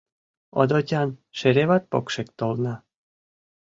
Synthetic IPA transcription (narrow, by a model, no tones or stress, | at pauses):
o̰d̪otʲɑnʃeɾeβɑt̪̚pokʃekt̪olnɑ